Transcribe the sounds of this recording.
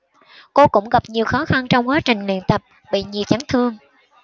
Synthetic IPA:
ko˧kʊ̰˧˥ŋ͡mɣa˨˩p̚ɲi˨˩əwxɔ˨˦xa˧nt͡ɕɔ˧wŋ͡mkwaː˨˦t͡ɕï˨˩ŋ̟lḭ˧˨ənt̪ə˨˩p̚ | ɓḭ˧˨ɲi˨˩əwt͡ɕa˨˦ŋt̪ʰɨ˧əŋ

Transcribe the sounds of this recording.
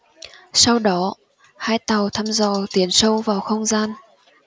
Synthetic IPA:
sa˧wɗɔ˨˦ | haː˧jt̪a˨˩wt̪ʰaː˧mzɔ˨˩t̪i˨˦ənsə˧wvaː˨˩wxə˧wŋ͡mzaː˧n

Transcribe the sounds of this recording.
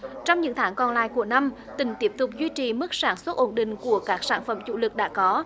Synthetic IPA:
t͡ɕɔ˧wŋ͡mɲɨ̰˧˥ŋt̪ʰaː˨˦ŋkɔ˨˩nla̰ː˧˨jku˧˩əna˧m | t̪ï˨˩˦ŋ̟t̪i˦˥p̚t̪ʊ˨˩p̚zwi˧t͡ɕi˨˩mɨ˦˥k̚saː˧˩nswə˦˥t̚ʔo˧˩nɗḭ̈˧˨ŋ̟ku˧˩əkaː˦˥k̚saː˧˩nfə̰˧˩mt͡ɕṵ˧˥lɨ˨˩k̚ɗa̰ː˧˥kɔ˨˦

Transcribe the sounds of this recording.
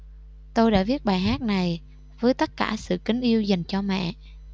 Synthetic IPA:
t̪o˧jɗa̰ː˧˥vi˦˥ət̚ɓaː˨˩jɦaː˦˥t̚na˨˩j | vəː˨˦jt̪ə˦˥t̚kaː˧˩sɨ̰˧˨kï˨˦ŋ̟ʔi˧əwza˨˩ŋ̟t͡ɕɔ˧mɛ̰˧˨

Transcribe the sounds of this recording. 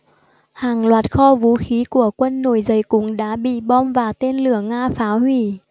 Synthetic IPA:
haː˨˩ŋlwaː˨˩t̚xɔ˧vu˨˦xi˨˦ku˧˩əkwə˧nːo˧˩jzə˨˦jkʊ̰˨˧˥ŋ͡mɗa̰ː˧˥ɓḭ˧˨ɓɔ˧mvaː˨˩t̪e˧nlɨ˧˩əŋaː˧faː˨˦whwi˧˩

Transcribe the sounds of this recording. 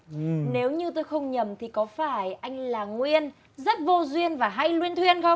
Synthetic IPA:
ne˨˦wɲɨ˧t̪o˧jxə˧wŋ͡mɲə˨˩mt̪ʰi˨˩kɔ˨˦faː˧˩jʔa˧jŋ̟laː˨˩ŋwi˧ən | zə˦˥t̚vo˧zwi˧ənvaː˨˩ɦa˧jlwi˧ənt̪ʰwi˧ənxə˧wŋ͡m

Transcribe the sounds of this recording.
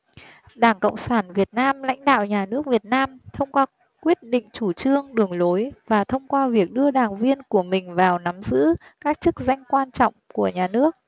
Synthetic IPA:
ɗaː˧˩ŋkə̰˧˨wŋ͡msaː˧˩nvi˨˩ət̚naː˧mla̰˧˥jŋ̟ɗa̰ː˧˨wɲaː˨˩nɨ˦˥ək̚vi˨˩ət̚naː˧mt̪ʰə˧wŋ͡mkwaː˧ | kwi˦˥ət̚ɗḭ˧˨ŋ̟t͡ɕu˧˩t͡ɕɨ˧əŋɗɨ˨˩əŋlo˨˦jvaː˨˩t̪ʰə˧wŋ͡mkwaː˧vi˨˩ək̚ɗɨ˧əɗaː˨˩ŋvi˧ənku˧˩əmï˨˩ŋ̟vaː˨˩wna˨˦mzɨ̰˧˥kaː˦˥k̚t͡ɕɨ˦˥k̚za˧jŋ̟kwaː˧nt͡ɕɔ̰˧˨wŋ͡mku˧˩əɲaː˨˩nɨ˦˥ək̚

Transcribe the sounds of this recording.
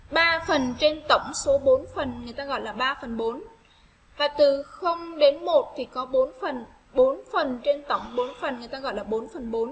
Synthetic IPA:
ɓaː˧fə˨˩nt͡ɕe˧nt̪ə˧˩wŋ͡mso˨˦ɓo˨˦nfə˨˩nŋɨ˨˩əjt̪aː˧ɣɔ̰˧˨jlaː˨˩ɓaː˧fə˨˩nɓo˨˦n | vaː˨˩t̪ɨ˨˩xə˧wŋ͡mɗe˨˦nmo˨˩t̚t̪ʰi˨˩kɔ˨˦ɓo˨˦nfə˨˩n | ɓo˨˦nfə˨˩nt͡ɕe˧nt̪ə˧˩wŋ͡mɓo˨˦nfə˨˩nŋɨ˨˩jt̪aː˧ɣɔ̰˧˨jlaː˨˩ɓo˨˦nfə˨˩nɓo˨˦n

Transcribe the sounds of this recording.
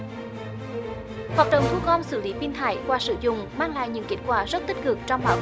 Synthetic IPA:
haː˨˩k̚ɗə̰˧˨wŋ͡mt̪ʰu˧ɣɔ˧msɨ˧˩li˨˦pi˧nt̪ʰa̰ː˧˩˦jkwaː˧sɨ˧˩zʊ̰˧˨ŋ͡mmaː˧ŋla̰ː˧˨jɲɨ̰˧˥ŋke˦˥t̚kwaː˧˨˩zə˦˥t̚t̪ï˦˥t̚kɨ˨˩k̚t͡ɕɔ˧ŋ͡mɓaː˨˦w

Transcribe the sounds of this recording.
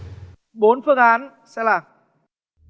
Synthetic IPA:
ɓo˨˦nfɨ˧˩əŋʔaː˨˦n | sɛ˧˥laː˨˩

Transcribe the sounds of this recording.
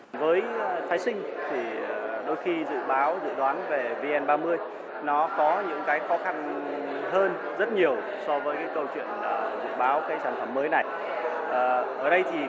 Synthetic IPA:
vəː˨˦jfaː˨˦jsï˧ŋ̟t̪ʰi˨˩˨ɗo˧jxi˧zɨ̰˧˨ɓaː˨˦wzɨ̰˧˨ɗwaː˨˦nve˨˩vi˧ʔɛ˧nɓaː˧mɨ˧əj | nɔ˨˦kɔ˨˦ɲɨ̰˧˥ŋkaː˨˦jxɔ˨˦xa˧n | həː˧n | zə˦˥t̚ɲi˨˩əw | sɔ˧vəː˨˦jkaː˨˦jkə˧wt͡ɕwḭ˧˨ənəː˨˩zɨ̰˧˨ɓaː˨˦wkaː˨˦jsaː˧˩nfə˧˩mːəː˨˦jna˨˩j | ʔəː˨˩ʔəː˧˩ɗə˧jt̪ʰi˨˩

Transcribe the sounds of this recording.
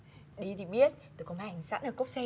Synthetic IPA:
ɗi˧t̪ʰi˨˩ɓi˦˥ət̚t̪o˧˩ko˧˩mha˨˧˨ŋsa̰˧˥nʔəː˧˩ko˦˥k͡p̚sɛ˧

